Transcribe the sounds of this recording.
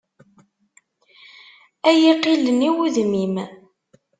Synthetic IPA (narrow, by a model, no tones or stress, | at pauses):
æjiqːiləniwuðmim